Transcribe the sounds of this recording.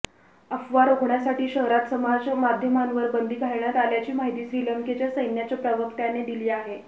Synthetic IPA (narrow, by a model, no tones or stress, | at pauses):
əfʋaɾoɡɳjasaʈiːɕəɦɾat̪səmad͡zmad̪ʱjəmanʋəɾbənd̪ʱiːkaɭɳjat̪aljat͡ɕiːmaɦit̪iːɕɾiːləŋket͡ɕjasəjnjat͡ɕjapɾəʋəkt̪janed̪iliːaɦe